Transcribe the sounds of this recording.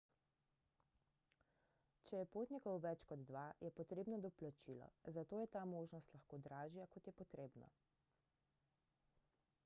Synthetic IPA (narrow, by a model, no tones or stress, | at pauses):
t͡ʃɛjɛpoːt̪nikɔwʋɛt͡ʃkɔd̪d̪ʋajɛpɔt̪ɾeːbnɔd̪ɔplat͡ʃilɔ̰zat̪oːjɛt̪aːmoːʒnɔst̪lɐxkoːd̪ɾaːʒijakɔt̪jɛpɔt̪ɾeːbnɔ̰